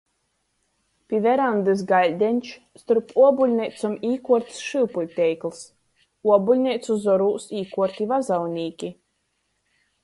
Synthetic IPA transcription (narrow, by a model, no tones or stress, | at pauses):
pʲivɛɾand̪ɨs̬ɡalʲd̪ʲɛnʲt͡ʃ | st̪uɾpuɔbulʲnʲɛjt̪sɔmiːkuɔɾt̪ʲsʃɨwpulʲt̪ʲɛjklˠs | uɔbulʲnʲɛjt̪suzɔɾuːsiːkuɔɾt̪ʲivazawnʲiːkʲi